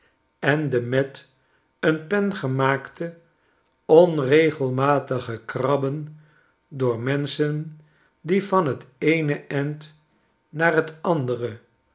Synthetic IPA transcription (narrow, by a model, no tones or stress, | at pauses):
ɛndəmɛt | ənpɛnχəmaːktə | ɔnrejχəlˠmaːtəχəkrɑbən | dʊːɹmɛnsən | divɑnɦətejnəɛnt | naːrɦətɑndərə